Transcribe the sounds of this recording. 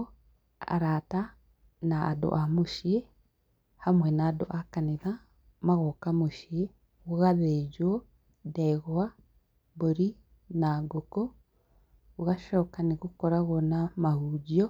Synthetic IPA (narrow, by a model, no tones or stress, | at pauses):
a̰ɾata | na̰ːdo̰ʔamoʃie | hamwɛnaːdo̰ʔakaneða | maɣɔkamoʃie | oɣaðed͡ʒwɔ | dɛɣwa | boɾi | naɡoko | oɣaʃɔːkaneɣokɔɾaɣɔnamahud͡ʒiɔ